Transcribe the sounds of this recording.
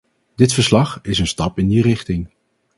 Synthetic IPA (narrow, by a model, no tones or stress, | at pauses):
d̥ɪtfəɹslɑχɪsənstɑpɪndirɪχtɪŋ